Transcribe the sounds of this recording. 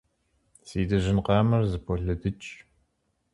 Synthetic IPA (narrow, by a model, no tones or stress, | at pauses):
siːdɨʒɪnqɑːmɐrzɨpʰɔɮɐdɨt͡ʃʼ